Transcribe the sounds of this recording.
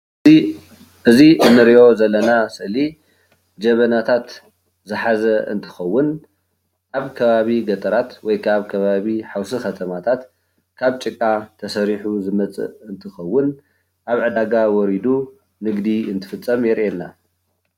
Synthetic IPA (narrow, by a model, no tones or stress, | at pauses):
ʔɨziʔɨnːɨɾiʔo̞zɐlːɐnasɨʔli | d͡ʒɐβɐnat̪ʰat̪ | zɨħazɐɨ̰nt̪ʰɨ̥xɐwːʊn | ʔaβkʰɐβaβiɡɐt̪ʼɐɾat̪wɔjkʰaβkʰɐβaβiħawsixɐt̪ʰɐmat̪ʰat̪ | kʰaβt͡ʃʼɨkʼːat̪ʰɐsɐɾiħuzɨmɐt͡sʼɨ̰ʔɨnt̪ʰɨxɐwːʊn | ʔaβʕɨd̪aɡawɔɾid̪u | nɨɡd̪iɨnt̪ʰɨ̥fɨt͡sʼːɐmjɛɾʔenːa